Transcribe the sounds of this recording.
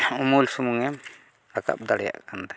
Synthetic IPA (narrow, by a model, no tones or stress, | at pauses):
umulsumuŋɛm | aka̰p̚d̪aɽja̰ʔkand̪ḁ